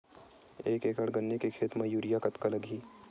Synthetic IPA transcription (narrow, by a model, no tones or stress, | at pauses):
eːkeːkəɽɡɐnːekekʰeːt̪mɐ̃juːɾijakɐt̪kalɐɡʱiː